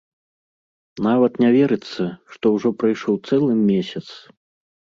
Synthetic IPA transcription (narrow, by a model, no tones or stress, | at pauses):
navɐt̪nʲavʲɛɾɨt̪sːɐʂt̪ɔwʐɔpɾajʂɔwt̪sɛlˠɨmʲesʲɐt̪s